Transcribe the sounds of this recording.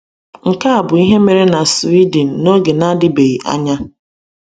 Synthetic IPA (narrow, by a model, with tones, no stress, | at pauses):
ŋ̩˨ka˦a˨bʊ˨i˦ɦe˦me˨ɾe˦na˨si˦di˨n̩˨no˦ɡe˨na˦dɪ˦be˨i˨ʔa̰˦ɲa˦